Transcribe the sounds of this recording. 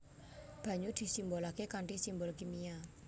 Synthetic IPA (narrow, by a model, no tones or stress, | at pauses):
b̥ä̤ɲud̪̥i̤simbolakekaɳʈisimbɔlkimia